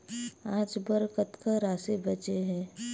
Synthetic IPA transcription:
aːd͡ʒbəɾkət̪kaɾaːsebət͡ʃeɦɛ̃ː

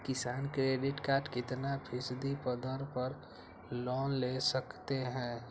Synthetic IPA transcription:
kɪsaːnkɾeːɖɪʈkaːʈkɪt̪napʰɪsd̪ipəd̪əɾpəɾ | lɔːnlesəkt̪eɦɛ̃ː

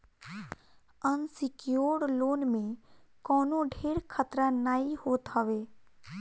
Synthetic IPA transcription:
ənsɪkjoːɽloːnmẽkɔːnõɖʱeːɾkʰət̪ɾanaːihoːt̪ɦəʋeː

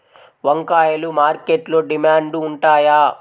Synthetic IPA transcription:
ʋɐŋkaːjɐlumaːɾkeːʈloːɖimaːɳɖːɳʈaːjaː

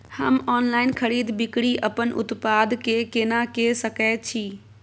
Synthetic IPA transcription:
hɐmɔːnlaːɪnkʰɐɽiːd̪bɪkɪɽiʔɐpənʔʊ̰t̪paːd̪keːkeːnakeːsɐkʰaːt͡ɕʰiː

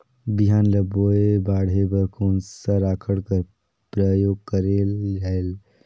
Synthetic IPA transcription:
biɦaːnləboebaːɽebəɾkʰoːnsəɾaːkʰəɽkəɾ | pɾəjoːɡ̚kəɾelal

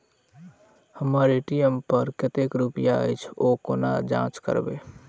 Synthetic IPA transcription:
həmaːɾeʈijəmpəɾkɪt̪ekɾupɪjait͡ʃʰoːkoːna̰d͡ʒã̰ːt͡ʃkə̰ɾbḛː

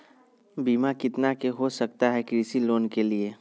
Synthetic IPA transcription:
biːmakɪt̪nakeɦosɐkt̪aɦɛkɾiːsiloːnkelieː

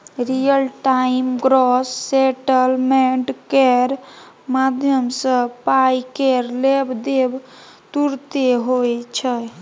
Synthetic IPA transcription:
ɾijəlʈaimɡɾɔsːeʈəlmeɳɖkeɾ | mad̪ʱjəmsə̃pajkeɾlebd̪eb | t̪uɾt̪eɦojt͡ʃʰə

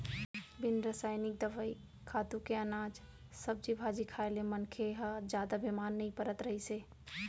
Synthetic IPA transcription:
bɪnɾəsaɪnɪk̚d̪əʋəi | kʰat̪ukeənaːd͡ʒ | səb̚d͡ʒibʱad͡ʒikʰaelemənkʰeɦəd͡ʒjad̪abimanːəipəɾət̪ɾəɦise

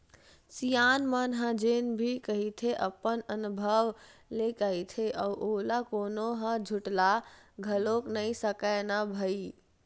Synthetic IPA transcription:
sijanmənɦə̃d͡ʒenbʱikəɦit̪ʰeʔəpːənənubʱəʋlekəjt̪ʰeʔəʔolakonoɦə̃d͡ʒʱuʈlaɡʱəloknəjsəkənabʱəi

